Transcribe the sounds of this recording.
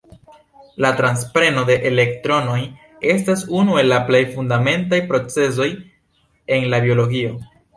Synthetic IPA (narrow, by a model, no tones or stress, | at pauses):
latɾanspɾe̞no̞de̞ʔele̞ktɾo̞no̞j | e̞stasunue̞lːaplejfundame̞ntajpɾo̞t͡se̞s̬o̞j | e̞nlabio̞lo̞ɡio̞